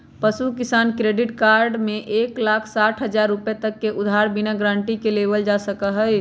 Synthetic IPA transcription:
pəsukisankɾeɖiʈkaɾɖmeʔeklakʰsaʈʰɦəd͡ʒaɾːupjet̪əkːeʔud̪ʱaɾbinaɡɾãɳʈikelebəld͡ʒasəkəɦəj

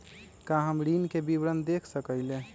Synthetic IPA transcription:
kãɦəmɾinkebibɾənd̪ekʰsəkəɪlẽ

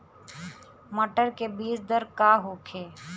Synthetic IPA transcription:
mɐʈəɾkebiːsd̪əɾkaːɦoːkʰeː

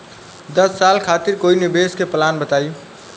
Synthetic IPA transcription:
d̪əsːalkʰat̪iɾkoinibeskepəlanbət̪aj

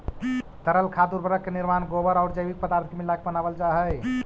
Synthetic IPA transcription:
t̪əɾəlkʰad̪uɾbʱəɾəkːeniɾmanɡobəɾaʊɾd͡ʒəjbik̚pəd̪aɾt̪ʰimilːakebənabəld͡ʒaɦəj

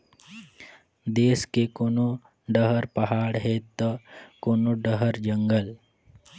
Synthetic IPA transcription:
d̪eːskekoːno | ɖəɦəɾpɐɦaːɽɦet̪əkoːnoɖəɦəɾd͡ʒəŋɡəl

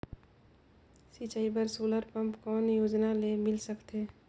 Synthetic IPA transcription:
sit͡ʃaːibəɾsoːləɾpə̃mpkɔːnjoːd͡ʒnalemɪlsəkt̪eː

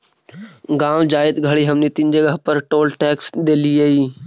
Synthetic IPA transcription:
ɡãːʋd͡ʒaːɪd̪ɡʱɐɽiɦɐmnit̪ɪnd͡ʒəɡəɦpəɾʈoːlʈɛːksɗ̪eːliaiː

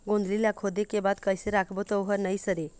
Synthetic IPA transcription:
ɡõnd̪ʱliljakʰod̪ekebat̪kəjseɾakʰbot̪əwɦəɾnəjsəɾe

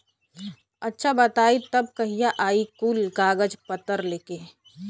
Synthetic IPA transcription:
ɐtːʃʰabɐt̪aːit̪ɐb̚kɐɦijaʔaːikulɡaːɡəd͡ʒpət̪əɾleːkeː

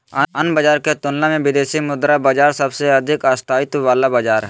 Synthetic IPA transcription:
ɐnbəd͡ʒaːɾket̪ʊnlamẽʋɪd̪eːsimʊd̪ɾabad͡ʒaːɾsɐbseɐd̪ʱɪkaːst̪ʰaːɪt̪ʋaːlabad͡ʒaːɾɦɛ

